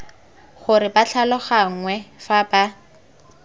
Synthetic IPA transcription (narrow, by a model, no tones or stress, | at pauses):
χʊɾɪbaɬʰalɔχaŋŋwɛfaba